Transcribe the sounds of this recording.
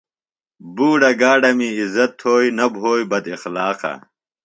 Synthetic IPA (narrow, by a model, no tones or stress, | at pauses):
buːɖɐɡaːɖɐmiizɐt̪ʰːoːinɐbʱoːjbɐd̪ixlaːqa̰